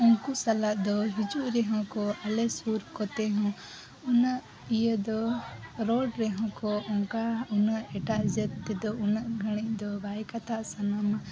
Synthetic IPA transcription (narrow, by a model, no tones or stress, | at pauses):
uŋkusalaʔd̪ɔɦid͡ʒuʔɾɛɦɔ̃kɔalɛsuɾkɔt̪ɛɦɔ̃ | unaʔ | ijəd̪ɔɾɔɖɾɛɦɔ̃kɔʔɔ̃ŋkaunaʔɛʈaʔd͡ʒət̪ːɛd̪ɔunaʔɡʱəɽ̃ic̚d̪ɔbajkat̪aʔsanama